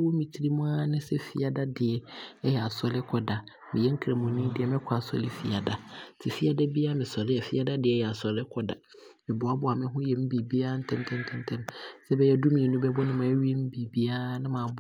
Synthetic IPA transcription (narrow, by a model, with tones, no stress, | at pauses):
wo˦mĩ˨tʰi˨ɾi˦mʊ̃˦a˦nɪ̃˦sɛ˦fi˨a˨da˦dɪ˨ɛ˨ɛ˦jɛ˨a˨sɔ˨lɪ˦kʰɔ˨da˨ | mɪ̃˨jɛ˦ŋ̩˦kʰɾa˨mũ˨nĩ˦dɪ˨ɛ˨mɪ̃˦kʰa˨sɔ̰˨lɪ˦fi˨a˨da˨˦tʰɪ˨fi˦a˦da˦bi˦a˦mɪ̃˨sɔ˨lɪ˦ɛ˨fi˦a˦da˦dɪ˨ɛ˦jɛ˨a˨sɔ˨lɪ˦kʰɔ˨da˨ | mɪ̃˨bʊ˨a˦bʊ˨˦a˨mɪ̃˦ɦʊ̃˦jɛ˨m̩˦biː˨bi˦a˦n̩˦tʰɛ̃˦mtʰɛ̃˦ntʰɛ̃˦ntʰɛ̃˦msɛ˦bɛ˦jɛ˦du˦mĩ˨e˨nũ˦bɛ˦bɔ˦nɪ̃˦mã˨˦ɥi˦e˦m̩˦bi˨bi˦a˦nɪ̃˦mãː˨b